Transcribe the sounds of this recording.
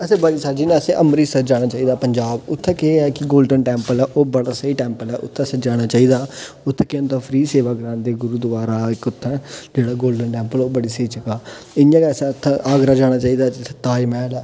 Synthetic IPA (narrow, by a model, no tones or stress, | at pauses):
əsẽːbəɽiːsad͡ʒiːnãəsẽːʔəmɾiːsəd͡ʒaːɽ̃aːt͡ʃaːiːd̪aːpəɲd͡ʒaːbʊt̪ʰːɛkeɛːkɪɡoːlɖənʈɛ̃ːmpəlɛːʔoːbəɽaːsəiːʈɛːmpəlɛːʔʊ̰t̪ʰːɛ̃səd͡ʒaːɽ̃aːt͡ʃaːiːd̪aː | ʊt̪ʰːeːkɪə̃nt̪aːpʰɾiːseːʋaːkəɾãːnd̪eːɡʊɾuːd̪əʋaːɾaːɪkʊt̪ʰːɛ̃ːd͡ʒeːɽaːɡoːlɖənʈɛ̃ːmpəloːbəɽiːsiːt͡ʃəkaːɪjãːkesẽʊt̪ʰːʔaːɡɾaːd͡ʒaːɽ̃aːt͡ʃaːiːd̪aːd͡ʒɪt̪ʰːe̥t̪aːimɛːlɛː